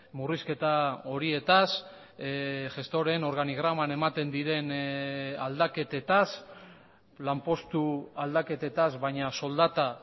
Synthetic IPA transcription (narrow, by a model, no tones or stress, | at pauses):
muriske̞t̪ao̞ɾie̞t̪as | ʝe̞st̪o̞ɾe̞no̞ɾɣaniɣ̞ɾamane̞mat̪e̞nd̪iɾe̞n | ald̪ake̞t̪et̪as | lampo̞st̪uald̪ake̞t̪e̞t̪azβajɲaso̞ld̪at̪a